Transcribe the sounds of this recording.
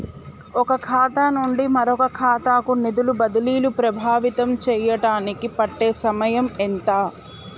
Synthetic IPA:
ɔkɐkʰaːt̪aːnuɳɖimɐɾɔkɐkʰaːt̪aːkunid̪ulubɐd̪ɐliːlupɾɐbʱaːʋit̪ɐmt͡ʃɛːjɐʈaːnikipɐʈːeːsɐmɐjɐment̪aː

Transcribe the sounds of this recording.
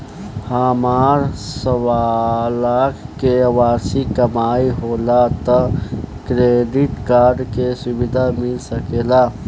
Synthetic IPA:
hamaːɾsəwalakʰkeəʋaːɾsikəmaiɦolat̪ɔkɾeɖiʈkaːɾɖkesʊbid̪ʱamɪlsəkeːla

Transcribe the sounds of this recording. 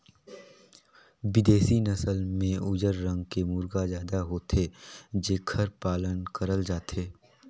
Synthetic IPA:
ʋɪd̪eːsinəsəlmẽʊd͡ʒəɾːə̃ŋɡkemuːɾɡazjaːd̪aɦoːt̪ʰed͡ʒeːkʰəɾpaːlənkəɾəld͡ʒaːt̪eː

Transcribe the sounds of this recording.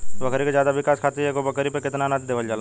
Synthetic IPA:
bɐkɾikezjaːd̪aʋɪkaːskʰaːt̪iɛɡobɐkɾipekɪt̪nanat̪ʰd̪eːʋəld͡ʒaːla

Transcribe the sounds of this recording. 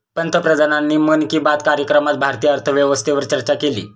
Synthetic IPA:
pənt̪ʰəpɾəd̪ananːiːmənkiːbat̪kaɾjəkɾəmat̪̚bʱaɾt̪ijəəɾt̪ʰəʋjəʋəst̪ʰeʋəɾt͡ɕəɾt͡ɕakelḭː

